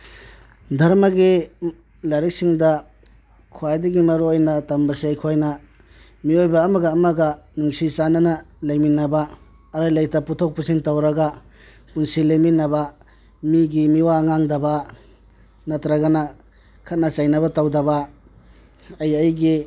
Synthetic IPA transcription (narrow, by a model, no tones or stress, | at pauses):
dʱɐɾmɐɡi | lɐɾik̚siŋdɐ | kʰuajdɐɡimɐɾuojnɐtambɐsiajkʰojnɐ | miojbɐːmɐɡɐːmɐɡɐnuŋsit͡ʃanɐnɐlejminːɐbɐː | ɾajlajtɐputʰok̚pusiŋtɐwɾɐɡɐ | punsileminːɐbɐ | miɡimiwaŋaŋdɐbɐ | nɐtɾɐɡɐnɐ | kʰɐt̚nɐt͡ʃajnɐβɐtawdɐbɐ | ɐjɐjɡi